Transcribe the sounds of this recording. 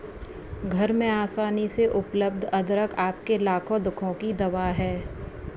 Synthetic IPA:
ɡʱɐɾmẽaːsaːniseʔʊpləb̚d̪ʱɐd̪ɾəkʰaːp̚kelaːkʰõd̪ʊkʰõkid̪ɐʋaːɦɛː

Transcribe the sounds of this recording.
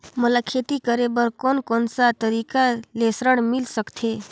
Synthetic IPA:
məlakʰet̪ikəɾebəɾkonkonsat̪əɾikalesɾəɽmilsəkt̪ʰe

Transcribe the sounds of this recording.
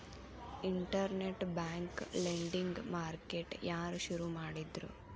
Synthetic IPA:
iɳʈɐɾneʈbaːŋkleɳɖiŋɡmaːɾkeʈjʔaːɾuʃuɾumaːɽid̪ɾṵ

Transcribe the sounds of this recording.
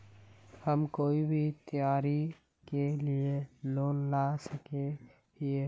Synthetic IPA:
həmkoːibʱit̪əjaːɾi | kelieloːnlasəke | ie

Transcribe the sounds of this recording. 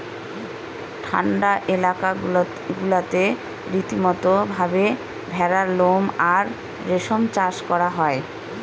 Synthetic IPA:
ʈʰa̰ɳɖaʔelaka | ɡulat̪e | ɾit̪imɔt̪obʱabe | bʱɛɾaɾlomaɾː | eʃomt͡ɕaʃkɔɾaɦɔe

